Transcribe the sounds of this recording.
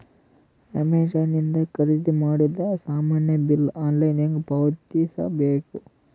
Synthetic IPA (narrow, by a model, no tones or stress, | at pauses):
ɐmed͡ʒaːnind̪ɐkɐɾid̪imaːɽid̪ɐsaːmaːnjɐbilaːnlɐjniŋɡpɐʋt̪iːsɐ̰beːku